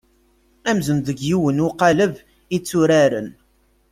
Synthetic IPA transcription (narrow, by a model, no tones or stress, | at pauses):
æmzənðəɡjiwənʊqɑləv | it͡sːuɾaɾə̰n